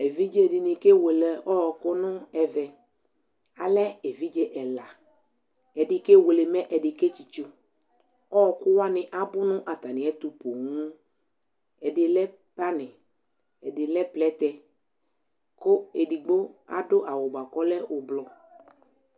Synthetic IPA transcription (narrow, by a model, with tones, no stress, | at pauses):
e˨vi˦d͡ʒe˦˨dɪ˨nɪ̃˨ke˦we˨lɛ˨ɔ˦˨kʊ˦nʊ̃˦ɛ˨vɛ˨ | a˨lɛ˦e˨vi˦d͡ʒe˦ʔɛ˨la˨ | ɛ˨dɪ˨ke˦we˨le˨mɛ̃˦ʔɛ˨dɪ˨ke˦t͡ʃi˨t͡ʃu˦ | ɔ˦˨kʊ˦wa˦nɪ̃˨ʔa˨bʊ˦nʊ̃˦ʔa˨t̪a˨nɪ̃˨ɛ˦t̪ʊ˨po˨ŋũ˦ | ɛ˨dɪ˨lɛ˦ | pa˦nɪ̃˨ | ɛ˨dɪ˨lɛ˦plɛ˦t̪ɛ˦ | kʊ˦e˨di˨ɡ͡bo˦a̰˦dʊ˦ʔa˨wʊ˨ɡ͡ba˨kɔ˦lɛ˦ʊ˨blɔ˨